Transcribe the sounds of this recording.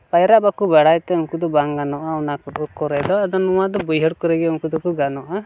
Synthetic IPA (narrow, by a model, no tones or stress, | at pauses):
pajɾaʔbakubaɽajt̪ɛuŋkud̪ɔbaŋɡanɔʔaɔnakɔɔkɔɾɛd̪ɔad̪ɔnuwad̪ɔbujɦɔɽkɔɾɛɡɛuŋkud̪ɔkuɡanɔʔa